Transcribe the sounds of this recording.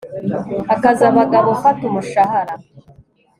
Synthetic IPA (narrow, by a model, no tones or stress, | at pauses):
akazaβaɡaβofatumuʃahaɾa